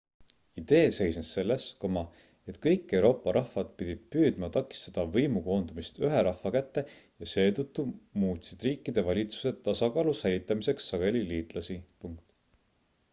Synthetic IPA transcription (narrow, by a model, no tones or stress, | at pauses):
id̪̥e̞ːse̞jsnesːe̞lːe̞sko̞mɑ | e̞t̪kɤjkːˑe̞wɾo̞ːpːˑɑɾʔɑhvɑd̪̥̚pid̪̥ʲid̪̥̚pyːd̪̥mɑt̪ɑkːˑi̥st̪ɑd̪̥ɑvɤjmuko̞ːnd̪umist̪yɦe̞ɾɑhfɑkæt̪ːe̞jɑse̞ːt̪ɤt̪ːumuːt̪ʲsid̪̥riːkːˑid̪̥e̞vɑlʲit̪su̥se̞t̪t̪ːɑsɑkɑːlusæjlit̪ːˑɑmise̞ksːɑɡ̥e̞liliːt̪ˑlɑsipuŋkt̪